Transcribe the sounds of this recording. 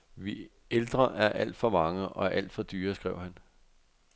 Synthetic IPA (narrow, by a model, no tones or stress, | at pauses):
ʋi | eld̥ʁɐʔæɐʔæl̰d̥fɒ̽mɑ̈ŋəɒ̽æɐʔæl̰d̥fɒ̽d̥yːɐsɡ̥ʁɛʊ̰hæn